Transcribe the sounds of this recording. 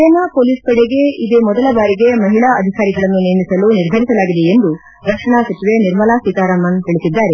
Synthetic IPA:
ɐnapoːliːspɐɽeɡe̞id̪emɔd̪ɐlɐbaːɾiɡe̞mɐɦiɭaːɐd̪ʱikaːɾiɡɐɭɐnːunimisɐluniɾb̪ʱɐɾisɐlaːɡid̪eend̪u | ɾɐkʂɐɳaːsɐt͡ʃiʋeniɾmɐlaːsit̪aːɾaːmɐnɦ̪iɭisid̪ːaːɾe

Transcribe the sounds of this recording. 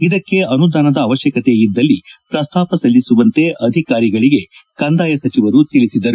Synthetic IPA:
id̪ɐkːe̞ɐnud̪aːnɐd̪ɐːʋɐʃjɐkɐt̪eid̪ːɐlːipɾɐst̪ʰaːpɐsɐlːisuʋɐnt̪e̞ʔɐd̪ʱikaːɾiɡɐɭiɡe̞kɐnd̪aːjɐsɐt͡ʃiʋɐɾut̪iɭisid̪ɐɾu

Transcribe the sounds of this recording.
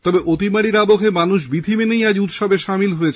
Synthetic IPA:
t̪ɔbeʔot̪imaɽiɾabokʰemanuʃ̬bid̪ʱimenejad͡ʑut̪ʃɔbeʃamilɦojet͡ɕʰ

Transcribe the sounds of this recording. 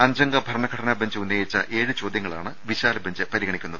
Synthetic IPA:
ɐɲd͡ʑɐŋɡɐbʱɐɾɐɳɐɡʱɐɽɐnɐbɐɲd͡ʑɨunːɐjit͡ɕːɐ̰ʔe̞ːɻɨt͡ɕo̞ːd̪jɐŋːɐɭaːɳɨʋiɕaːlɐbʱɐɲd͡ʑɨpɐɾiɡɐɳikʲːunːɐðɨɨ

